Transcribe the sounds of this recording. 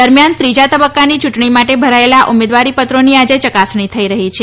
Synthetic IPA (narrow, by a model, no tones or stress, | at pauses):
əɾmjant̪ɾid͡ʒat̪əbəkːanit͡ʃuʈɳimaʈebʱəɾaelaʔumed̪ʋaɾipət̪ɾoniad͡ʒet͡ʃəkasɳ̃it̪ʰəiɾəɦit͡ʃʰe